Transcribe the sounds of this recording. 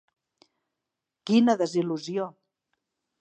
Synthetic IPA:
kinəðəziluzio

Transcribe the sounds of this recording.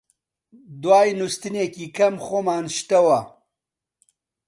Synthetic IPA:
d̪waːjnust̪ɨneːkiːkʰɐmxoːmaːnʃt̪ɐwɐ

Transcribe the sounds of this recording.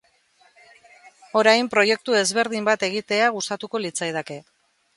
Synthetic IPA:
o̞ɾajmpɾo̞je̞k̚t̪ue̞zβe̞ɾð̞imbat̪e̞ɣit̪e̞aɣust̪at̪uko̞lit͡sajð̞ake̞

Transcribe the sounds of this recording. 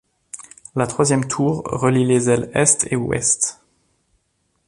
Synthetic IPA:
lat̪χwazjɛmt̪ʰuːʁʁəlilezɛlɛst̪ewɛ̰st̪

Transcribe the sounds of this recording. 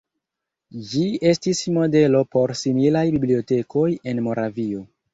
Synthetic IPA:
d͡ʒie̞stismo̞de̞lo̞po̞ɾsimilajbiblio̞te̞kʰo̞je̞nmo̞ɾavio̞

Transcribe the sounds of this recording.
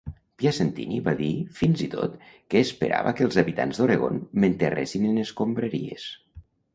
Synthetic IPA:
pjasent̪ḭniβaðifinzit̪o̰t̪kəːspə̰ɾʔa̰βakəlˠzaβit̪anzðoɾeɣonment̪eresinəneskombɾəɾiḛs

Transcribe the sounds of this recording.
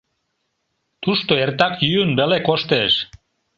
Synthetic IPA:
t̪uʃt̪oert̪ɑkjyønbelekoʃt̪eʃ

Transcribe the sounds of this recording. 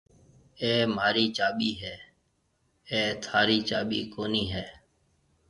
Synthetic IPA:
eːmaːɾiːt͡ʃaːɓiːɦɛː | eːt̪ʰaːɾiːt͡ʃaːɓḭːkoːniːɦɛː

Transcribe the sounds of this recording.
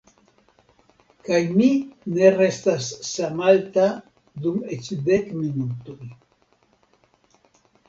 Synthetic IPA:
kajmine̞restasːamalt̪a | d̪umet͡ʃd̪ekminut̪oj

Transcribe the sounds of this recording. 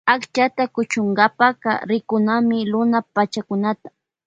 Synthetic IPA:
akt͡ʃat̪akʊt͡ʃʊŋɡapakɑ̰ɾɪkʊnamɪɾʊnapat͡ʃakʊnat̪ḁ

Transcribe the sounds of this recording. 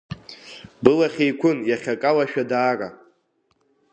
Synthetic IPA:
bɨlaχʲejkʷʰʊnjaχʲakʼalaʃᶣadaːrʼa̰

